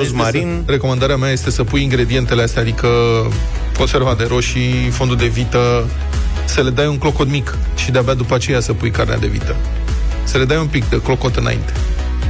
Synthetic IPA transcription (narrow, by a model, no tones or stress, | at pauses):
smaɾin | re̞ko̞mand̪aɾeameaje̞st̪e̞səpujiŋɡɾe̞d̪ie̞nt̪e̞least̪ead̪ikə | ko̞nse̞rvad̪eɾo̞ʃifo̞nd̪uld̪e̞vit̪ə | səle̞d̪ajuŋklo̞ko̞t̪mik | ʃid̪eabead̪upəat͡ʃe̞jasəpujkarnea̰d̪e̞̰vḭt̪ə | səle̞d̪ajumpikd̪eklo̞ko̞t̪ɨna̰ḭnt̪e̞̥